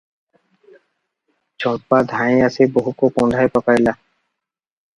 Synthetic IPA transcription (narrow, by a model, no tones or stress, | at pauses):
d͡ʒʱɔʈ̚pad̪ʱãĩaseboɦukokɔ̃ɳɖʱajpɔkaɾila